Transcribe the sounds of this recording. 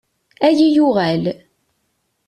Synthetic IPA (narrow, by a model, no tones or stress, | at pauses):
æjijuʁæl